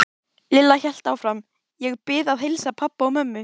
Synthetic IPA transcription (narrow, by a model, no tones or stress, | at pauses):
lɪlːaçɛl̥t̪aːwfɾam | jɛɣpɪːðaðɦejlsapʰapːaɔmœmːʏ